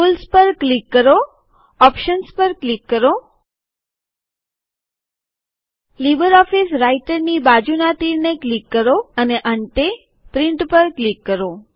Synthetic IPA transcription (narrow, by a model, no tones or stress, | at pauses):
pulspəɾklikːəɾo | ɔpʃənspəɾklikːəɾo | libəɾɔfisɾaiʈəɾnibad͡ʒunat̪iɾneklikːəɾoəneʔəɳʈe | pɾɪ̃ɳʈpəɾklikːəɾo